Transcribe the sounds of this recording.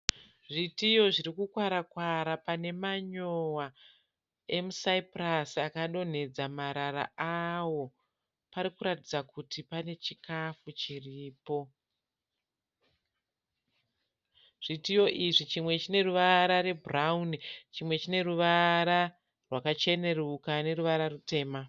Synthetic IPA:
ʐitijo̞ʐiɾikukwaɾakwaɾapane̞maɲowa | e̞musaiprasiakaɗo̞n̤e̞d͡zamaɾaɾa̰awo̞ | paɾikuɾatid͡zakutipane̞t͡ʃikafut͡ʃiriːpo̞ | ʐ̥itijo̞ʔiʐit͡ʃimwe̞t͡ʃine̞ruʋaɾaɾe̞buraunit͡ʃimwe̞t͡ʃine̞ruʋaɾa | rwakat͡ʃe̞ne̞ruukane̞ɾuʋaɾarute̞ːma

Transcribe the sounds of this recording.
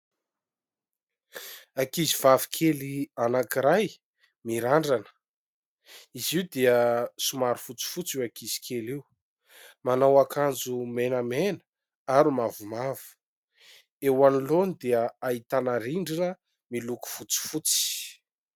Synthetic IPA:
akiziv̥avi̥kʰelianakiɾaj | miɾaɳɖ͡ʐanə̥ | iziwd̪eəsumaɾufut͡si̥fut͡siwakiz̥i̥kʰeliw | manawakand͡zumenəmenə̥ | aɾumavumav̥u̥ | ewanilonid̪eəait̪anaɾiɳɖ͡ʐinə | miluku̥fut͡si̥fut͡si̥

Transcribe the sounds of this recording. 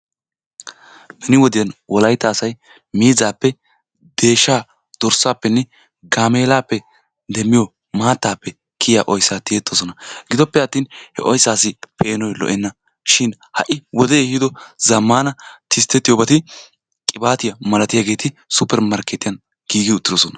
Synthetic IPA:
mɛnɪwɔd̪ɪjɐnwɔlɐjt̪ːaːsɐj | miːzaːpːɛ | d̪̥e̞ːʃːaː | d̪̥ɔɾsaːpːɛnːɛ | ɡaːmeːlaːpːɛ | d̪ɛmːɪjɔ | maːt̪ːaːpːɛ | kʰɪja̰ːʔɔjsaːt̪ɪjɛt̪ʰːosɔnɐɡɪd̪ɔpːɛɐt̪ːiːnhɛ̰ʔɔjsːaːsɪpe̞ːnɔjlɔ̰ʔɛnːɐ | ʃɪn | hɐʔɪwɔd̪ɛhɪd̪ɔzɐmːaːnɐt̪ʰɪst̪ːɛt̪ːɪjobɐt̪ɪ | kʼɪbaːt̪ɪjɐmɐlɐt̪ɪjaːɡe̞ːt̪ɪsʊpːɛɾmɐɾket̪ɪjɐn | ɡ̥iːɡɪʊt̪ːɪd̪ɔsɔnɐ̥

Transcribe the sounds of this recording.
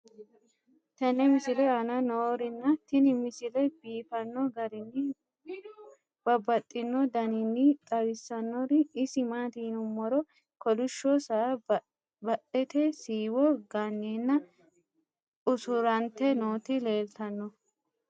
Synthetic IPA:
t̪ɐnɛmɪsɪlɛɐnɐnoːɾɪnːɐt̪ɪnɪmɪsɪlɛbiːfɐnːɔɡɐɾɪnːɪ | b̥ɐbːɐt̪ʼːɪnːɔd̪ɐnɪnːɪt̪ʼɐwɪsːɐnːɔɾɪɪsɪmaːt̪iːnʊmːɔɾɔ | kɔlʊʃːɔsɐː | bɐtʼːɛt̪ɛsiːwɔɡɐnːenːɐ | ʊsʊɾɐnt̪ɛnoːt̪ɪle̞ːlt̪ɐnːɔ

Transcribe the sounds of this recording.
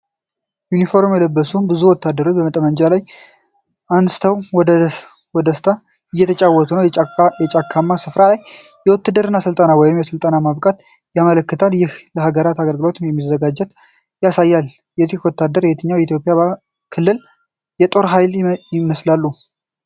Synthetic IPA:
junifo̞ɾmjɛləbːəsumbɨzuwɔt̪ːad̪əɾot͡ʃːbəmət̪ʼəmənd͡ʒalaj | ʔansɨ̥t̪ʰəwwɔd̪ə | wɔd̪əsɨ̥t̪ʰa | ɨjːɛt̪ʰət͡ʃʼawːɔt̪ʰunəjɛt͡ʃʼakʰːamːasɨfɾalajjɛwɔt̪ːɨd̪əɾɨnːasɨlt̪ʼənawɔjɪmjɛsɨlt̪ʼənamaβkʼat̪ | jamələkːɨt̪ʰaljɪhləhaɡəɾat̪aɡəlɡɨlo̞t̪ʰɨmjɛmːizːəɡad͡ʒɛt̪ | jasajːal | jɛzihwɔt̪ːad̪əɾjɛt̪ʰəɲːawjɛit̪ʰjo̞pʼja | kʰɨlːɨl | jɛt̪ʼo̞ɾɦajlɪmːəslalːu

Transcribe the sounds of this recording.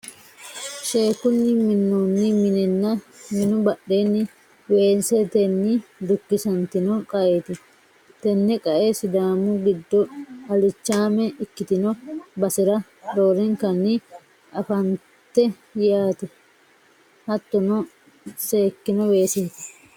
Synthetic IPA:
ʃe̞ːkːʊnːɪmɪnːuːnːɪmɪnɛnːɐmɪnʊbɐɗːe̞ːnːɪ | we̞ːnset̪ɛnːɪd̪ʊkːɪsɐnt̪ɪnɔkʼɐʔeːt̪ɪ | t̪ɛnːɛkʼɐʔeːsɪd̪aːmʊɡɪd̪ːɔɐlɪt͡ʃːaːmɛɪkːɪt̪ɪnɔbɐsɪɾɐ | ɾoːɾɪŋkɐnːɪ | ʔɐfɐn | t̪ːɛ | jaːt̪ɛ | hɐt̪ːɔnɔ | se̞ːkːɪnɔwe̞ːseːt̪ɪ̥

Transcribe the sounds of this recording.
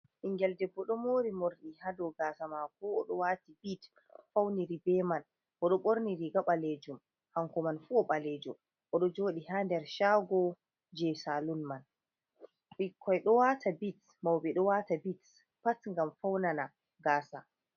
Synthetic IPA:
ʔiŋɡɛldɛbːɔɗɔmoɾimoɾɗihadɔɡaːsamakɔɔɗɔwatibit | fawniɾibɛman | ʔɔɗɔɓoɾniɾiɡaɓaled͡ʒum | haŋkɔmanfuɔɓalɛd͡ʒɔ | ʔɔɗɔd͡ʒoːɗihandɛɾʃaɡɔ | d͡ʒɛsalunman | ɓikʰːɔjɗɔwatʰabit | mawbɛɗɔwatabit | patŋɡamfawnana | ɡaːsa

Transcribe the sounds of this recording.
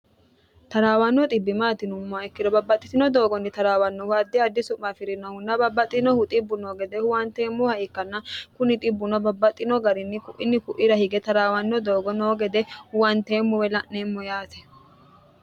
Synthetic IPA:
t̪ɐɾaːwɐnːɔt̪ʼɪbːɪmaːt̪ɪnʊmːɔɛkːɪd̪ɔbɐbːɐt̪ʼːɪsɪnɔd̪o̞ːɡɔnːɪt̪ɐɾaːwɐnːɔhʊɐd̪ːɪɐd̪ːɪsʊʔːɐfɪɾɪnɔhʊnːɐbɐbːɐt̪ʼːɪnɔhʊt̪ʼɪbːʊnoːɡɛd̪ɛhʊwɐnt̪eːmːʊhɐjɪkːɐnːɐkʊnɪt̪ʼɪbːʊnɔbɐbːɐt̪ʼːɪnɔɡɐɾɪnːɪkʊʔɪ̰nːɪkʊʔɪɾɐhɪɡɛt̪ɐɾaːwɐnːɔd̪o̞ːɡɔnoːɡɛd̪ɛhʊwɐnt̪eːmːʊwɛlɐʔneːmːɔjaːt̪ɛ̥

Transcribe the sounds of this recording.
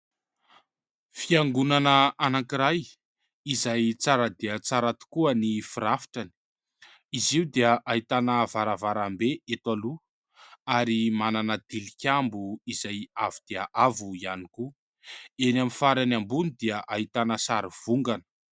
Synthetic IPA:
fiaŋɡunanəanakiɾaj | izajt͡saɾəd̪iət͡saɾat̪i̥kuənifiɾafi̥ʈ͡ʂani̥ | iziud̪iəʔaɦit̪anəvaɾavaɾambeʔet̪alu | aɾimananəd̪̥ilikʲambuizajavid̪̥iaʔavuianiku | enamifaɾanambunid̪iəʔaɦit̪anəsaɾiv̥uŋɡanə̥

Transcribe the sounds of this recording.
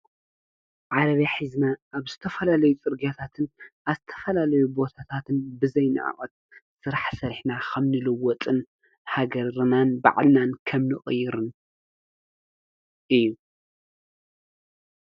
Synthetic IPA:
ʕaɾɐβjaħiznaʔːβzɨt̪ʰɐfɐlalɐjut͡s̪ʼɨɾɡat̪ʰat̪ʰɨnʔazɨt̪ʰɐ̥fɐlalɐjubo̞t̪ʰat̪ʰat̪ʰɨnbɨzɐjnɨ̰ʕa̰χʼɐt̪̚ | sɨɾaħsɐɾħnakʰɐmnɨlɨwːɔt͡s̪ʼɨn | haɡɐɾɨnanba̰ʕlɨnankʰɐmnɨχʼɨjːɪɾɨn | ʔɨjːu

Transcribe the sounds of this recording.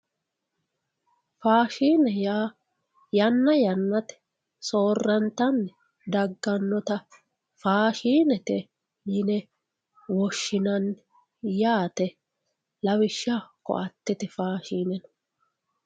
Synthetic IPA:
faːʃiːnɛja | jɐnːɐjɐnːɐt̪ɛ̥ | soːrːɐnt̪ɐnːɛ | d̪ɐɡːɐnːɔt̪ɐ | faːʃiːnɛt̪ɛ | jɪnɛ | wɔʃːɪnɐnːɪ | jaːt̪ɛ | lɐwɪʃːakɔ̰ʔɐt̪ːɛt̪ɛfaːʃiːnɛn

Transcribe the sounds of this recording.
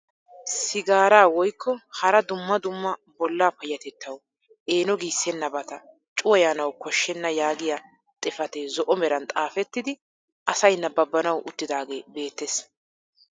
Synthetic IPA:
sɪɡaːɾaːwɔjkːɔhɐɾɐd̪ʊmːɐd̪ʊmːɐbɔlːaːpɐjɐt̪ɛt̪ʰːɐw | ʔeːnɔɡiːsːɛnːɐbɐt̪ɐ | t͡ʃʼʊwɐjaːnɐwkʰɔʃːɛnːɐjaːɡɪja | t̪ʼɪfɐt̪eːzɔʔɔmɛɾɐnt̪ʼaːfɛt̪ːɪd̪ɪ | ʔɐsɐjnːɐbɐbːɐnɐwʔʊt̪ːɪd̪aːɡe̞ːbe̞ːt̪ːes

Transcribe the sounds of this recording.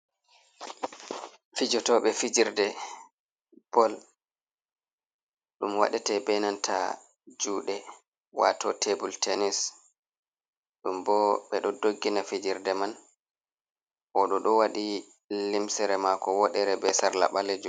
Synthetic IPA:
fid͡ʒɔtɔɓɛfid͡ʒiɾdɛ | b̥ɔl | ɗumwa̰ɗɛtɛbɛnantʰa̰ | d͡ʒuːɗɛ | wa̰tɔtʰebultenis | ɗumbɔɓɛɗɔdoɡːinafid͡ʒiɾdɛman | ʔɔɗɔɗɔwaɗi | limsɛɾɛmakɔwɔɗɛɾɛbɛsaɾla̰ɓaled͡ʒu

